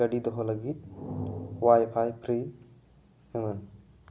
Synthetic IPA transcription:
əɖid̪ɔɦɔləɡit̪̚ | wajpʰajpʰɾi | imən

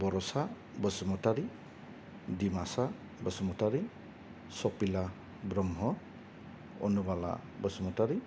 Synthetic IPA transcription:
bɔɾɔsa | bəsɔmɔtaɾi | dimasa | bəsɔmɔtaɾi | sɔpila | bɾɔmɦɔ | o̰nubala̰bəsɔmɔtaɾi

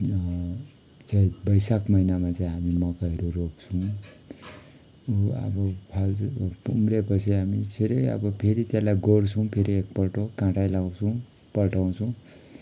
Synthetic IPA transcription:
t͡saĩbʌjsakmʌinamat͡saĩɦamimʌkaʌɾurokt͡sʰuw̃ | ʌ̰bʌpʰalpumɾepʌt͡sʰiɦamit͡sʰeɾʌjʌ̰bʌpʰeɾit̪jãlajɡort͡sʰʌw̃pʰeɾiek̚pʌʈokãʈajlawt͡sʰũ | pʌʈaw̃t͡sʰũw̃

